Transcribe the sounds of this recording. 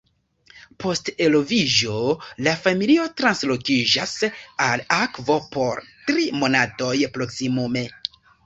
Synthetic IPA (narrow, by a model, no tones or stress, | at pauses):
po̞ste̞lo̞vid͡ʒo̞lafamilio̞tɾanslo̞kid͡ʒasalakvo̞po̞ɾtɾimo̞nato̞jpɾo̞ksimume̞